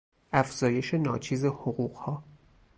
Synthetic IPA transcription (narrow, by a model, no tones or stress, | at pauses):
ʔæfz̥ɒːje̞ʃe̞nɒːt͡ʃʰiːze̞hoɣuːɢhɒː